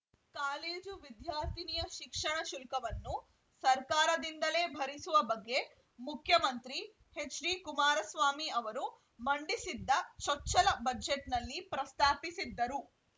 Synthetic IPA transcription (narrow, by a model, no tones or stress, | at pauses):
kaːleːd͡ʒuʋid̪jaːɾt̪ʰinijɐʃikʂɐɳɐʃulkɐʋɐnːu | sɐɾkaːɾɐd̪ind̪ɐle̞ːbʱɐɾisuʋɐbɐɡːe̞ | mukʰjɐmɐnt̪ɾi | het͡ʃɾiːkumaːɾɐsʋaːmiɐʋɐɾu | mɐɳɖisid̪ːɐʃɔt͡ʃːɐlɐbɐd͡ʒeʈnɐlːipɾɐst̪ʰaːpisid̪ːɐɾu